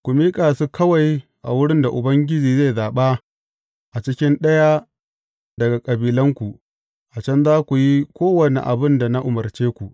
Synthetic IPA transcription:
kʷu˨miː˦kʼaː˨su˦kʰɐ˦wa˨jʔa̰˨wʊ˦ɽɪ˦nda˨ʔʊ˨bɐ˦ŋɡʲɪ˦d͡ʒiː˨ze˦˨zaː˨ɓa˦ | ʔa˨t͡ʃɪ˦kʲɪ˦nɗɐ˦ja˦ | dɐ˨ɡa˨kʼɐ˨biː˨lɐ˦ŋkʷu˨ | ʔa˨t͡ʃɐ˦nzaː˦kʷu˨ji˦kʷoː˦wɐ˨nḛ˨ʔa̰˨bɪ˦nda˨na˦ʔʊ˨mɐ˨rt͡ʃeː˦kʷu˨

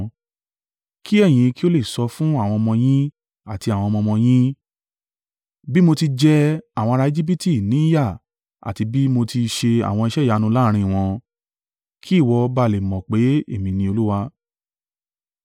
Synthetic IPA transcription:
ki˦ɛ˦˨j̃ĩ˨˧ki˦o˦le˦˨sɔ˧fũ˦a˦˨w̃ɔ̃˧mɔ̃˧j̃ĩ˦ | a˦˨ti˧a˨w̃ɔ̃˧mɔ̃˧mɔ̃˧j̃ĩ˦ | bi˦mo˧ti˧d͡ʒɛ˧a˨w̃ɔ̃˧ɾa˧e˧˦d͡ʒi˦b̬i˦ti˦˨nĩ˨˦ja˦˨ | a̰˨ti˧bi˦mo˧ti˧ʃe˧a̰˨w̃ɔ̃˧i˧ʃɛ˦˨ja˨˦˧nũ˧la˦˧ɾ̃ĩ˧˨w̃ɔ̃˧ | kʰi˦˨wɔ˧ba˧˨le˨mɔ̃˨k͡pe˨˦ḛ˦˨mĩ˧nĩ˧o˧lu˦wa˧

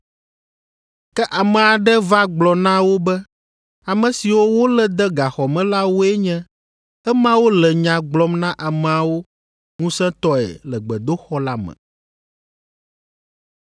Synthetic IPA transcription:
kɛ˦ʔa˨mɛ̃˨a˨ɖɛ˦va˦ɡ͡blɔ˨nã˦wo˦bɛ˦ | a˨mɛ̃˨si˨wo˦wo˦lɛ˨d̪ɛ˦ɡa˨xɔ˨mɛ̃˦la˦wo˦ɛ˦ɲɛ̃˦ | ɛ˦mã˦wo˦lɛ˨ɲã˨ɡ͡blɔ˦mnã˦ʔa˨mɛ̃˨a˨wo˦ | ŋũ˦sɛ̃˦t̪ɔ˦ɛ̰˨lɛ˨ɡ͡bɛ˨d̪o˦xɔ˦la˦mɛ̰̃˨

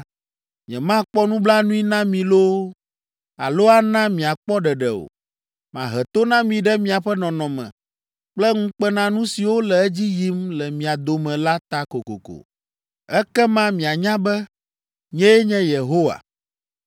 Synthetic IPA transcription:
ɲɛ̰̃˨mã˦k͡pɔ˦nũ˦bla˦nũ˦i˦nã˦mĩ˨lo˦ | a̰˨lo˦a˦nã˦mĩ˨a˨k͡pɔ˦ɖɛ˨ɖɛ˨o̰˨ | mã̰˨ɦɛ˨t̪o˦nã˦mĩ˨ɖɛ˦mĩ˨a˨ɸɛ˦nɔ̃˨nɔ̃˨mɛ̰̃˨ | k͡plɛ˦ŋũ˦k͡pɛ˦nã˦nũ˦si˨wo˦lɛ˨ɛ˦d͡ʑi˦ji˦mlɛ˨mĩ˨a˨d̪o˨mɛ̃˨la˦t̪a˦ko˨ko̰˨ko̰˨ | ɛ˦kɛ˦mã˦mĩ˨a˨ɲã˦bɛ˦ | ɲɛ̃˦jɛ˦ɲɛ̃˦je˨ɦo˦wa̰˨

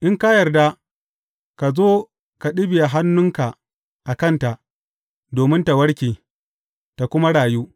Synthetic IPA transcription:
ʔɪ˦ŋka˦jɐ˨rda˦ | ka˨zoː˦ | ka˨ɗɪ˦bɪ˨ja˨ɦa˦nːʊ˦ŋka˨ʔ | ʔa˨kɐ˦˨nta˨ʔ | doː˨mɪ˦nta˨wɐ˦ɽkʲeː˨ | ta˨kʷʊ˦ma˦ɽaː˨juː˦

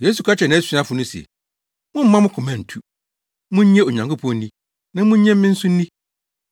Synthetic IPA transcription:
je˦s̬u˨kʰa˦t͡ɕʰɛ˨nã˦sᶣi˦a˦fʊ˨nʊ̃˦sḛ˨ | mʊ̃˦m̩˦mã˦mʊ̃˦kʰʊ˨mã˨n̩˨tʰu˦ | mʊ̃˦ɲ˦ɲɛ̃˦o˨ɲã˨ŋkʰʊ˦pʰɔ̃˨˦nĩ˦ | nã˦mʊ̃˦ɲɛ̃˦m̩˦mɪ̃˦n̩˦sʊ̃˦n̩˦nĩ˦

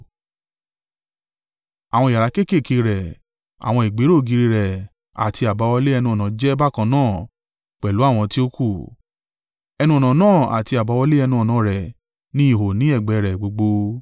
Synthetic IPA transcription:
a˨w̃ɔ̃˧˨a˨ɾa˨˦ke˦˨ke˦˨ke˧˦ɾɛ˨ | a̰˨w̃ɔ̃˧i˨ɡ͡be˨˦ɾo˦˨ɡi˨˧˦ɾi˧ɾɛ˨ | a̰˨ti˧a˨ba˨˦wɔ˧le˦ɛ˧nũ˧ɔ˨nã˨˦d͡ʒɛ˦ba˦˨kã˧˦nãː˦˨ | k͡pɛ˨lu˨˦a˦˨w̃ɔ̃˧ti˦o˦ku˦˨ | ɛ˧nũ˦ɔ˨nã˨˦nãː˦˨a̰˨ti˧a˨ba˨˦wɔ˧le˦ɛ˧nũ˧ɔ˨nã˨˦ɾɛ˨ | nĩ˦i˦˨ɦo˨nĩ˨˦ɛ˦˨ɡ͡bɛ˨˦ɾɛ˨ɡ͡bo˨˧ɡ͡bo˧

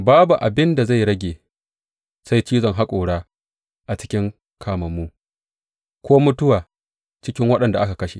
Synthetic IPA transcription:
baː˦bu˨ʔa˨bɪ˦nda˨za˦˨jɽɐ˦ɡʲeː˨ | sa˦jt͡ʃiː˦zɔ˨ŋɦa˦kʷʼoː˨ɽaː˦ | ʔa˨t͡ʃɪ̥˦kʲɪ˦ŋ | kʰaː˨mɐ˨mːuː˦ | kʷoː˦mʊ˦tʊ˦waː˨ | t͡ʃɪ˦kʲɪ˦ŋwɐ˦ɗɐ˨nda˨ʔa˦ka˨kɐ˦ʃḛ˨

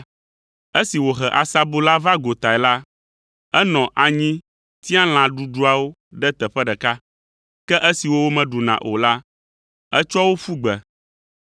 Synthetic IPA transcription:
ɛ˦si˨wo˨ɦɛ˨ʔa˨sa˦bo˦la˦va˦ɡo˨t̪a˨ɛ˨la˦ | ɛ˦nɔ̃˨ʔa˨ɲĩ˦ | t̪i˦ã˦l̃ã˨ɖu˦ɖu˦a˨wo˦ | ɖɛ˦t̪ɛ˨ɸɛ˦ɖɛ˨ka˦ | kɛ˦ʔe˦si˨wo˦wo˦mɛ̃˨ɖu˨nã̰˨ʔo̰˨la˦ | ɛ˦t͡ʃɔ˦wo˦fu˦ɡ͡bɛ˨

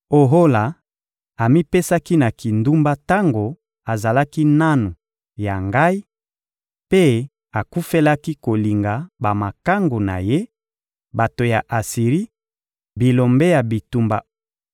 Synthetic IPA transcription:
o˨ɦo˦la˨ | a˨mi˦pe˦sa˦ki˦na˨ki˨ndu˦mba˦ta˦ŋɡo˨ | a˨za˨la˦ki˦na˦nu˨ | ja˨ŋɡa˦i˦ | pe˦ | a˨ku˦fe˦la˦ki˦ko˨li˨ŋɡa˨ba˨ma˨ka˦ŋɡo˨na̰˨je˦ | ba˨to˨ja˨ʔa˨si˨ʁi˦ | bi˨lo˨mbe˦ja˨bi˨tu˦mba̰˦

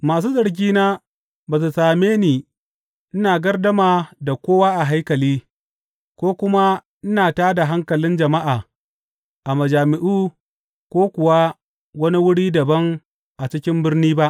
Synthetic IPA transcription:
maː˨s̬uː˦zɐ˨ɽɡ̬ʲiː˦naː˦ | baː˨s̬u˨saː˨meː˦niː˨ | ʔɪ˦naː˨ɡɐ˦rdɐ˦maː˨da˨kʷoː˦waː˦ʔa˨ɦa˦jkɐ˨liː˦ | kʷoː˦kʷʊ˦ma˦ | ʔɪ˦naː˨taː˦da˨ɦa˦ŋkɐ˨lɪ˦nd͡ʒɐ˨ma˦ʔaː˨ | ʔa˨mɐ˨d͡ʒaː˨mɪ˨ʔuː˦ | kʷoː˦kʷʊ˨wa˦ | wɐ˦ni˦wʊ˦ɽiː˦dɐ˨bɐ˦ŋ | ʔa˨t͡ʃɪ˦kʲɪ˦mbɪ˦rniː˦ba˦ʔ

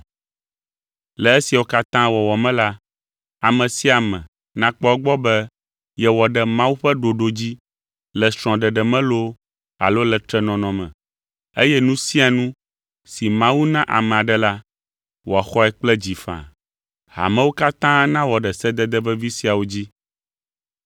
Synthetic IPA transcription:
lɛ˨e˦si˨a˨wo˦ka˦t̪ã˦wɔ˨wɔ˨mɛ̃˦la˦ | a˨mɛ̃˨si˦a˨mɛ̰̃˨ | nã˦k͡pɔ˦ɛ˦ɡ͡bɔ˦bɛ˦ | jɛ˨wɔ˨ɖɛ˦mã˦wu˦ɸɛ˦ɖo˨ɖo˨d͡ʑi˦ | lɛ˨sɾ̃ɔ̃˨ɖɛ˨ɖɛ˨mɛ̃˦lo˦ | a̰˨lo˦lɛ˨t̪ɾɛ˦nɔ̃˨nɔ̃˨mɛ̰̃˨ | e˦jɛ˦nũ˦si˦a˨nũ˦ | si˨mã˦wu˦nã˦ʔa̰˨mɛ̃˨a˨ɖɛ˦la˦ | wɔ˨a˨xɔ˦ɛ˨k͡plɛ˦d͡ʑi˨fã̰˨ | ha̰˨mɛ̃˦wo˦ka˦t̪ã˦nã˦wɔ˨ɖɛ˨sɛ˦d̪ɛ˦d̪ɛ˦vɛ˦vi˦si˦a˨wo˦d͡ʑi˦

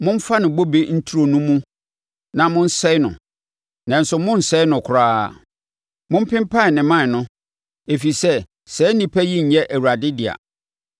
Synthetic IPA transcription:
mʊ̃˦m̩˦fa˦nɪ̃˨bo˦be˦n̩˦tʰu˦ɾo˨nũ˦mũ˦ | nã˨mʊ̃˦n̩˦sɛ˦ɪ˦nʊ̰̃˨ | nã˨n̩˦sʊ˨mʊ̃˦n̩˨sɛ˦ɪ˦nʊ̃˨kʰʊ˨ɾaː˦˨ | mʊ̃˦m̩˦pɪ̃˦mpʰa˦˨nɪ̃˨mã˦˨nʊ̃˦ | e˨fi˨sɛ˦ | sɛː˨˦nĩ˨pʰæ˦ji˦ɲ̩˨jɛ˦ʔæ˨wu˨ɾa˨dɪ˦dɪ˨a̰˨

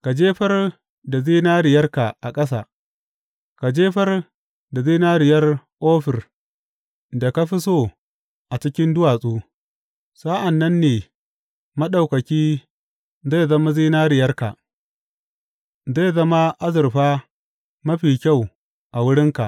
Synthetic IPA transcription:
ka˨d͡ʒeː˦ɸɐ˦r | da˨ziː˦naː˦ɾɪ˨jɐ˦rka˨ʔa˨kʼɐ˦s̬a̰ː˨ | ka˨d͡ʒeː˦ɸɐ˦r | da˨ziː˦naː˦ɾɪ˨jɐ˦rʔoː˦ɸɪ˨r | da˨ka˦ɸi˦so˦˨ | ʔa˨t͡ʃɪ˦kʲɪ˦ndʊ˦waː˨sʼuː˦ | sa˦ʔa˨nːɐ˦nːeː˨ | mɐ˦ɗa˨wkɐ˨kʲiː˦ | za˦˨zɐ˦ma˦ziː˦naː˦ɾɪ˨jɐ˦rka̰˨ʔ | za˦˨zɐ˦ma˦ʔa˦zɪ˨rɸaː˦ | mɐ˦ɸiː˨kʲa˦˨w | ʔa˨wʊ˦ɽɪ˦ŋka̰˨ʔ

